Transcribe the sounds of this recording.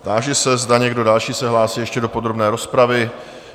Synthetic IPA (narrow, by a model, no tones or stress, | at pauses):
t̪aːʒɛsɛzdaɲɛɡdo̞dalʃiːsɛɦlaːsiːjɛʃcɛdo̞po̞d̪ɾo̞bnɛːɾo̞spɾavɪ